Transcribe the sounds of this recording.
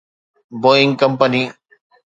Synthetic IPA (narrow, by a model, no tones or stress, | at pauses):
boɪ̃ŋɡkɐmpəni